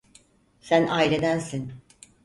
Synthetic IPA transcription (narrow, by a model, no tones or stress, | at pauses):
sænaːjilʲe̞d̪ænsin